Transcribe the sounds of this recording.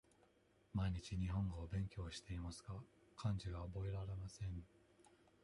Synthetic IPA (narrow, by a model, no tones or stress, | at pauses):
maiɲ̟it͡ɕiɲ̟iɦõ̞ŋɡo̞ːbẽ̞ŋkʲo̞ːɕi̥t̪e̞imasɨ̥ɡakʰãɲ̟d͡ʑiɡaobo̞e̞ɾaɾe̞masẽ̞ɴ